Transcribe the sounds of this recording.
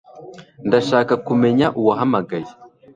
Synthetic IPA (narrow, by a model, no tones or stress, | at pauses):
ndaʃaːkakumeɲaʔuwaɦamaɡaji